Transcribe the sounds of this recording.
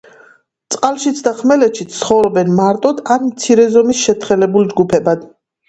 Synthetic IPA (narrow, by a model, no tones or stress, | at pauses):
t̪sʼqʼalˠʃit̪sʰd̪aχmɛlɛt̪ʃit̪χɔvɾɔbɛnmaɾt̪ʼɔd̪anmt̪sʰiɾɛzɔmisʃɛt̪ʰχɛlɛbuld͡ʒɡupʰɛbad̪̥